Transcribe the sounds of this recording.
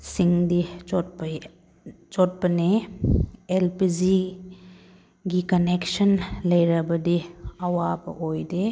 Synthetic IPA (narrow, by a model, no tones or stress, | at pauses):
siŋdip | t͡ʃɔt̚pɐne | elpid͡ʒi | ɡikɐneksənlɐjɾɐbɐdiɐwabɐ̰ojde